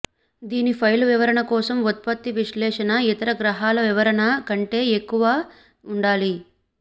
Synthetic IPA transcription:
d̪iːnipʰɐjluʋiʋɐɾɐɳɐkɔːsɐmut̪̚pɐt̪ːiʋiʃlɛːʂɐnɐit̪ɐɾɐɡɾɐɦaːlɐʋiʋɐɾɐɳɐkɐɳʈe̞ːekːuʋaː | uɳɖaːli

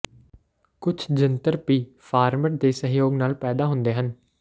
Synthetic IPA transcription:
kʊt͡ʃʰd͡ʒɪnt̪əɾpiːpʰaːɾməʈ̚d̪eːsəɦjoːɡnaːlpɛːd̪aːɦʊ̃nd̪eːɦən

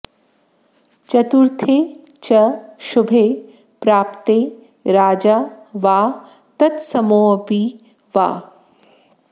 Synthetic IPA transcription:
t͡ʃɐt̪uɾt̪ʰeː | t͡ʃɐʃʊbʱeː | pɾaːpt̪eː | ɾaːd͡ʒaːʋaː | t̪ɐt̪sɐmoːɐpi | ʋa̰ː

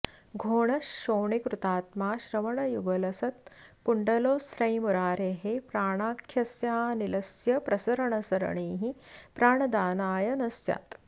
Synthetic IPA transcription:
ɡʱoːɳɐʃoːɳikɾut̪aːt̪maːʃɾɐʋɐɳɐjuɡɐlɐsɐt̪̚kuɳɖɐloːsɾɐjmuɾaːɾeːɦepɾaːɳaːkʰjɐsjaːnilɐsjɐpɾɐsɐɾɐɳɐsɐɾɐ̰ɳiːɦipɾaːɳɐd̪aːnaːjɐnɐsja̰ːt̪

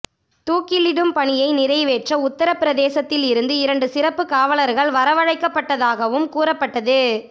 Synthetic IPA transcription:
t̪uːkɪlɪɽɯmpɐɳɪjɐɪnɪɾɐɪʋeːʈrɐʊt̪ːɐɾɐpɪɾɐðeːsɐt̪ːɪlɪɾɯnd̪ɯɪɾɐɳɖɯsɪɾɐpːɯkaːʋɐlɐɾɣɐɭʋɐɾɐʋɐɻɐɪkːɐpːɐʈːɐðaːɣɐʋɯmkuːɾɐpːɐʈːɐðɯ

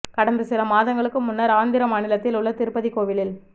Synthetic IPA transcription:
kɐɽɐnd̪ɯsɪlɐmaːðɐŋɡɐɭɯkːɯmʊnːɐɾaːnd̪ɪɾɐmaːnɪlɐt̪ːɪlʊɭːɐt̪ɪɾɯpːɐðikoːʋɪlɪl

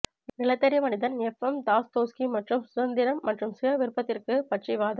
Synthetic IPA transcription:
nɪlɐt̪ːɐɾɪmɐnɪðɐnɛfːɐmt̪aːst̪oːskimɐʈrɯmsʊðɐnd̪ɪɾɐmːɐʈrɯmsɪjɐʋɪɾɯpːɐt̪ːɪrkɯpɐʈʂiʋaːðɐ

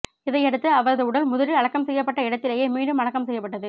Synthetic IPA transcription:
ɪðɐɪɛɽɯt̪ːɯɐʋɐɾɐðɯʊɽɐlmʊðɐɾɯɐɻɐkːɐmsɛjːɐpːɐʈːɐɪɽɐt̪ːɪleːjeːmiːɖɯmɐnɐkːɐmsɛjːɐpːɐʈːɐðɯ

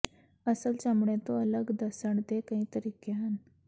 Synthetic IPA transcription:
əsəlt͡samɳẽt̪oələɡd̪əsəɳd̪ekə̃ɦĩːt̪əɾiːkeɦan

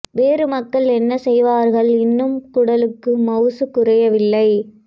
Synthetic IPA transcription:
ʋeːɾɯmɐkːɐɭɛnːɐsɛjʋaːɾɣɐɭɪnːɯmkʊɽɐlɯkːɯmɐʊsɯkʊrɐjɐʋɪlːɐɪ

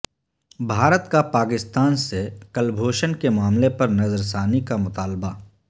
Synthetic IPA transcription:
bʱaːɾət̪kapaːkɪst̪aːnsekɐlbʱoːʃənkemʊaːmlepɐɾnɐzəɾs̬aːnikamʊt̪aːlba

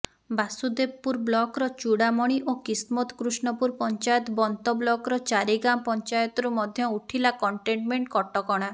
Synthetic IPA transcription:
basud̪ebpːuɾblɔkɾɔt͡ʃuɽamɔɽ̃iʔokismɔt̪ɔ̥kɾusɳɔpuɾpɔnt͡ʃajɔt̪ɔbɔnt̪ɔblɔkɾɔt͡ʃaɾiɡamɔpɔnt͡ʃajɔt̪ɔɾumɔd̪ʱjɔuʈʰilakɔɳʈeɳʈmeɳʈkɔʈɔkɔɽ̃a

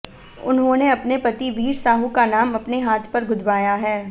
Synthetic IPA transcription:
ʊ̰nɦõneɐpnepɐt̪iʋiːɾsaːɦukanaːmɐpneɦaːt̪ʰpɐɾɡʱʊd̪ʱbaːjaɦɛː

